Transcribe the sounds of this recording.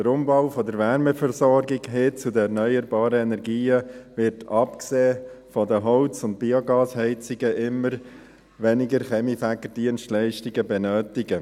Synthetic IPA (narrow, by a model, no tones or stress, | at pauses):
d̥əɾʊmbɔʊfɔdəɾʋɛɾmɛfɛɾsɔɾɡɪɡɦɪt͡sudəɛɾnœʏəɾbɑːɾəɛnɛɾɡiːəʋɪɾtʰɑpkseːfɔdəɦɔlt͡sʊnt̚b̥ioɡɑːshɛɪt͡sɪɡəʔɪməɾ | ʋɛnɪɡəɾχɛmifækədiənstlɛɪʃtɪɡəbɛnœːtɪɡə